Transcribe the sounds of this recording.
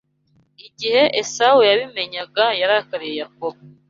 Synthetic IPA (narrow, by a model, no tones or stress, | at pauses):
iɟihe̞ʔesawujaβime̞ɲaɡajaɾakaɾije̞jak̚oβo